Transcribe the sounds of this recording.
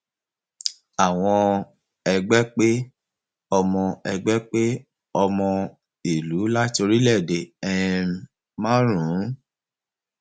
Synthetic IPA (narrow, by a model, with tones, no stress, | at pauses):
a˨w̃ɔ̃˧ | ɛ˧ɡ͡bɛ˦k͡pe˦ | ɔ˧mɔ̃˧ɛ˧ɡ͡bɛ˦k͡pe˦ | ɔ˧mɔ̃˧ | i˨lu˨˦la˦to˧ɾi˦lɛ˦˨de˨ɛ˦˧ | mã˦ɾũ˨˦